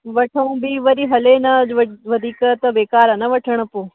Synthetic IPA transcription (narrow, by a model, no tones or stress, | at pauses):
ʋɐʈʰəũbiʋɐɾiɦɐlenɐʋʋɐd̪ʱiːkət̪ɐʋeːkaːɾɐnɐʋɐʈʰəɽ̃əpoː